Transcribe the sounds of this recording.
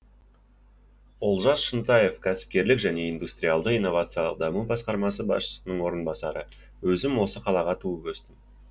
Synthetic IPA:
olˠʒɑsʃənt̪ɑje̞fkʲʰæsɪ̥p̚kʲe̞ɾlɪkʒæne̞ijnd̪ust̪ɾijalˠd̪əijnːo̞vɑt̪sɨjɑlˠə̰q̚d̪ɑmubɑsqɑɾmɑsəbɑ̰sʃə̥sənəɴwo̞ɾənbɑsɑɾə | wɵzɪmwo̞səqʰɑlˠɑʁɑt̪ʰuəpɵst̪ɪm

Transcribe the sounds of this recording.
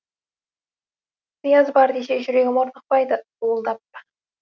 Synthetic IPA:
t̪ɨjɑzbɑɾd̪eʃeʒʏɾeɡʲemoɾnəq̚pɑjd̪ət̪uəlˠd̪ɑp̚ːə̥

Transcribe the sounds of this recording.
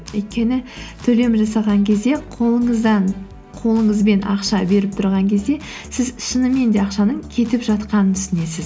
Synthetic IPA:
wɵjt̪̚kʲe̞nɪt̪ʰɵle̞mʒɑsɑʁɑŋkʲʰe̞zd̪e̞qʰoɴzd̪ɑɴ | qʰo̞lˠəɴəzbe̞nʔɑ̰qʃɑbe̞ɾɪp̚t̪ʰʊɾʁɑŋkʲʰe̞zd̪e̞ | sɪzʃənəme̞nd̪e̞ɑqʃɑnəɴkʲʰe̞t̪ɪpʒɑt̪qɑnənʰʏsɪne̞sɪz

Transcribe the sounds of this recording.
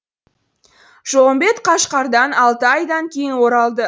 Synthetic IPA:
ʒ̥oʁəmbe̞t̪qʰɑʃqɑɾd̪ɑnɑlˠt̪əɑjd̪ɑŋkʲʰe̞jɪnwo̞ɾɑlˠd̪ə

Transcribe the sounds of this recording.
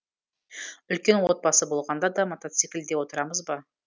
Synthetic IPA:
ʏlkʲe̞nwo̞t̪̚bɑsəbo̞lˠʁɑnd̪ɑd̪ɑmot̪ot̪sikʲɪld̪e̞wo̞t̪əɾɑməzbɑ

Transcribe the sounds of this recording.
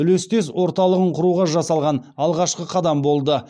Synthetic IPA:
ʏlest̪e̞swo̞ɾt̪ɑlˠəʁəɴqʰʊɾuʁɑʒɑsɑlˠʁɑnɑlˠʁɑʃqəqʰɑd̪ɑmbo̞lˠd̪ə

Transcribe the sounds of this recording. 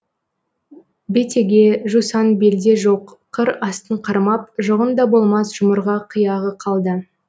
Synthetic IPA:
be̞t̪e̞ɡʲe̞ʒusɑnbe̞ld̪e̞ʒoqʰːəɾɑst̪əɴqʰɑɾmɑp̚ʒoʁənd̪ɑbo̞lˠmɑsʒ̥ʊməɾʁɑqʰəjɑʁəqʰɑlˠd̪ə

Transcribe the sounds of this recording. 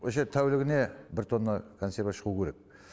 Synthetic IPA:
ʃet̪ʰæwlɪɡʲɪne̞bɪɾt̪ʰo̞nːɑkʰo̞nsʲe̞ɾvaʃəʁukʰʲeɾe̞k̚

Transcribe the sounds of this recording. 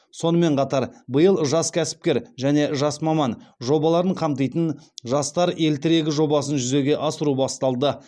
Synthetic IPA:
so̞nəme̞ɴqʰɑt̪ɑɾbəjəlˠʒɑskʲʰæsɪ̥p̚kʲe̞ɾʒæne̞ʒɑsmɑmɑnʒo̞bɑlˠɑɾəɴqʰɑmt̪̬əjt̪ənʒɑst̪ɑɾe̞lt̪ɪɾe̞ɡʲɪʒo̞bɑsənʒʏze̞ɡʲe̞ʔɑsəɾubɑst̪ɑlˠd̪ə

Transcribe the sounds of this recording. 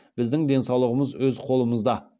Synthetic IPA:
b̥ɪzd̪ɪŋd̪e̞nsɑwlˠəʁəməzwɵzqʰo̞lˠəməzd̪ɑ

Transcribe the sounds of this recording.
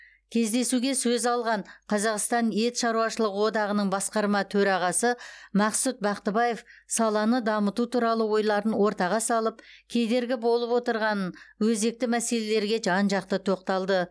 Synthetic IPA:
kʲʰe̞zd̪e̞suɡʲesɵzɑlˠʁɑɴqʰɑzɑqst̪ɑnje̞t̪ʃɑɾuwɑʃəlˠəʁəwo̞d̪ɑʁənəɴbɑsqɑɾmɑt̪ʰɵɾɑʁɑsəmɑqsut̪̚bɑqt̪əbɑje̞fsɑlˠɑnəd̪ɑmət̪ut̪ʰuɾɑlˠəwo̞jlˠɑɾənwo̞ɾt̪ɑʁɑsɑlˠəpkʲʰe̞d̪e̞ɾɡʲɪbo̞lˠəpwo̞t̪əɾʁɑnənwɵze̞k̚t̪ɪmæse̞le̞le̞ɾɡʲe̞ʒɑnʒɑqt̪ət̪ʰo̞qt̪ɑlˠd̪ə

